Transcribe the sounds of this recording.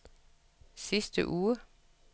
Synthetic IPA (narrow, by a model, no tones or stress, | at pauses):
sisd̪̥ə̰ʔuːə